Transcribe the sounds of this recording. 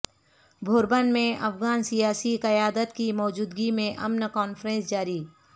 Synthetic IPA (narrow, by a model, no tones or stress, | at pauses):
bʱʊːɾbənmẽʔɐfɡaːnsijaːsiqɐjaːd̪ət̪kimɔːd͡ʒuːd̪ɡimẽʔɐmnkɔːnfɾẽːnsd͡ʒaːɾiː